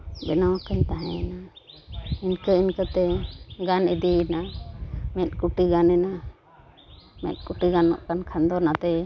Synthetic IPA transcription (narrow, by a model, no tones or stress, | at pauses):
bɛnɔkəɲt̪aɦɛ̃na | inkəinkət̪ɛɡanid̪ina | mɛt̪̚ˀkuʈiɡanɛna | mɛ̰t̪̚ˀkuʈiɡanːɔ̰ʔkankʰand̪ɔnat̪ɛ